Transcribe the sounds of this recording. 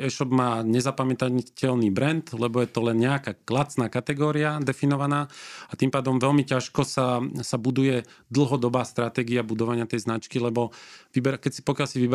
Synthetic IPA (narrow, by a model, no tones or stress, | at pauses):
ɛʃɔbmaːɲɛzapamɛt̪acɛlniːbɾɛnd̪lɛbɔjɛt̪ɔlɛnɲɛakaːklat͡snaːkat̪ɛɡɔːɾiad̪ɛfinɔʋanaːat̪impaːd̪ɔmʋɛlmicaʃkɔsasabud̪ujɛd̪l̩ˠɦɔd̪ɔbaːst̪ɾat̪ɛːɡiabud̪ɔʋaɲɪat̪ɛjznat͡ʃkilɛbɔʋibɛɾakɛcsi̥pɔkjalsiʋib